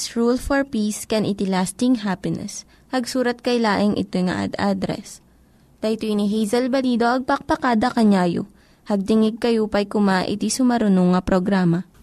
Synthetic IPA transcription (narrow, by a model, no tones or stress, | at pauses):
sɹulfɔɹpiskɛnʔɪt̪ɪlast̪ɪŋɦapɪnɛ̰s | hɐɡsuːɾɐt̪̚kɐjlaːʔɪŋʔɪ̰t̪ojŋɐ̰ʔɐ̰d̪ad̪ɾɛ̰s | t̪ɐt̪oɪniɦɛjzɐlbɐliːd̪oʔɐɡ̚pɐk̚pɐkaːd̪ɐkɐɲaːjo̰ | hɐɡ̚t̪ɪŋɪɡ̚kɐjupɐjkʊmaʔɪ̰t̪isʊmɐɾʊnoŋːɐpɾoɡɾaːmɐ